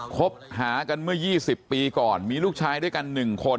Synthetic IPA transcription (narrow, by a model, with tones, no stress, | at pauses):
kʰo˦˥p̚ɦaː˩˦ka˧nmɯ˥˩ɐjiː˥˩si˨˩pːiː˧kɔː˨˩nmiː˧luː˥˩k̚t͡ɕʰaː˧jdu˥˩əjka˧nːɯ˨˩ŋkʰo˧n